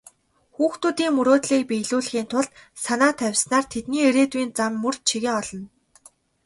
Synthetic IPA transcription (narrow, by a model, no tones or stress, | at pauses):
xuːxt̪uːt̪iːŋmɵɾoːt̪ɮiːk̚pijɮuːɮ̆xiːnt̪ʰʊɮt̪sanaːt̪ʰæwʲsnaːrt̪ʰet̪̚niːeɾeːt̪uiːnt͡samːɵr̥t͡ɕʰiɣeŋɔɮɞ̆n